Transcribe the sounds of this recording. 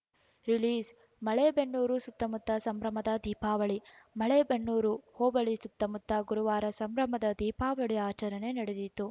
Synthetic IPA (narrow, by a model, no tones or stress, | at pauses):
ɾiliːs | mɐɭebeɳːuːɾusut̪ːɐmut̪ːɐsɐmɾɐmɐd̪ɐd̪iːpaːʋɐɭi | mɐɭebeɳːuːɾuhoːbɐɭisut̪ːɐmut̪ːɐɡuɾuʋaːɾɐsɐmɾɐmɐd̪ɐd̪iːpaːʋɐɭiaːt͡ʃɐɾɐne̞nɐɽed̪it̪ːu